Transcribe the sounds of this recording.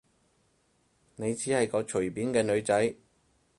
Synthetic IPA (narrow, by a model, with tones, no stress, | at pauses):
ne˨˧jt͡siː˨˥hɐ˨jkɔː˨˧t͡ʃʰɵ˨˩ɥpiː˨˥nkɛː˧nɵ˨˧ɥt͡sɐ˨˥j